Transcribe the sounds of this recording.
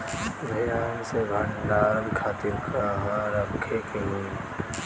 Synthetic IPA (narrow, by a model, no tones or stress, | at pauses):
bʱɐjaːnsebʱə̃ɳɖaːlkʰaːt̪ɪɾkʰaɦãɾəkʰːekeɦũ